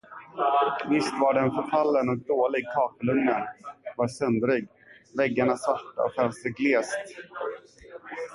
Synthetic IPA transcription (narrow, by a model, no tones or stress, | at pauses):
vɪst̪vaɖɛnfœɾfalːənɔk̚d̪oːlɪɡ̚kʰɑːkəlɵŋnənvaɾsœnd̪ɾɪɡ | vɛɡːaɳasvaʈːa̰ɔkɛlsəɡleːst̪